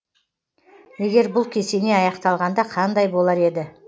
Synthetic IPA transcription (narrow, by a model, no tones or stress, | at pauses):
je̞ɡʲe̞ɾbʊlˠkʲʰe̞se̞ne̞ɑjɑqt̪ɑlˠʁɑnd̪ɑqʰɑnd̪ɑjbo̞lˠɑɾe̞d̪ɪ